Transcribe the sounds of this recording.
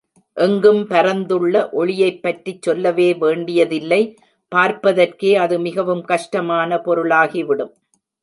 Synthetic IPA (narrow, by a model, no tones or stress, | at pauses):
ʔɛŋɡɯmpɐɾɐnd̪ɯɭːɐʔɔɭɪjɐɪpːɐʈrit͡ʃːɔlːɐʋeːʋeːɳɖɪjɐðɪlːɐɪ | paːɾpɐðɐrkeːɐðɯmɪɣɐʋɯmkɐʂʈɐmaːnɐpɔɾɯɭaːɣiʋɪɽɯm